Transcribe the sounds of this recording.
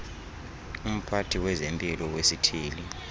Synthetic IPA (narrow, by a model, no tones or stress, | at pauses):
um̩pʰatʰiwɛzempʼilɔwesitʰiːli